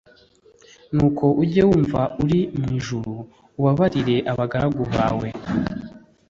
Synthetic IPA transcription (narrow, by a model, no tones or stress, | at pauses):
nuːkʰo̞ʔuɟewuːɱvauɾimŋiːʒuɾuː | βaβaɾiɾe̞ʔaβaɡaɾaɡoβa̰ːwe̞